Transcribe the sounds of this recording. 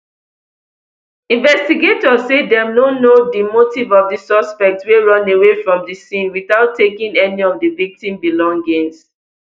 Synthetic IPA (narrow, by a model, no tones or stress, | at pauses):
ĩnvɛstiɡetɔzːedɛ̃mnonodimotivɔvdəsɔspɛk̚tweɹɔ̃newefɹɔ̃mdəsĩnwiθaʊtʰːekĩŋɛniɔvdəvik̚tĩmbilɔ̃ŋɡĩns